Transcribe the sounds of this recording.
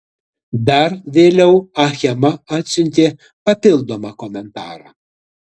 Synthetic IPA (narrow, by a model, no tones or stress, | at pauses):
d̪ɐɾʋʲeːlʲɛʊɐxʲɛmɐɑːt̪ʲsʲʊnʲt̪ʲeː | pɐpʲɪlˠd̪oːmɑːkɔmʲɛnt̪ɑːɾɑː